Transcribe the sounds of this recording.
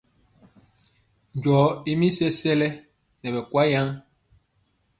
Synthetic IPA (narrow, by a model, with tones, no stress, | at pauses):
ɲ˨d͡ʒɔ˨˦i˦mi˦sɛ˦sɛ˦lɛ˦ | nɛ˨bɛ˨kwa˦ja˦ŋ